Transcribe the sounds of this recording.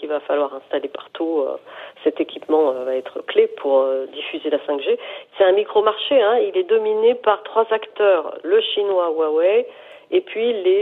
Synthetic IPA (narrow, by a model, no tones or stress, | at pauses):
ivafalwaʁɛ̃st̪alepaʁt̪ʰuø̰sɛt̪ekʲipmɑ̃øvaɛt̪χəklepʰuʁød̪ifyzelasɛ̃kʒesɛt̪ɛ̃mikχomaʁʃeɛ̃ilɛd̪ɔminepaʁt̪χwazakt̪œːʁləʃinwawawɛ | epɥile